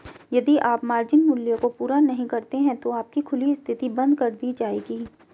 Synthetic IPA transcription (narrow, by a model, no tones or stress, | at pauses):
jɐd̪iʔaːpmaːɾd͡ʒɪnmʊljokopuːɾanɐɦĩkɐɾt̪eɦɛ̃t̪oaːp̚kikʰʊliɪst̪ʰɪt̪ibɐ̃nd̪kɐɾd̪iːd͡ʒaːeːɡiː